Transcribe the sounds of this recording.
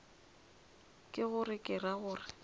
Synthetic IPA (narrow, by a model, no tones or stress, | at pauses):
kʼɪɣʊrɪkʼɪraɣʊːrɪ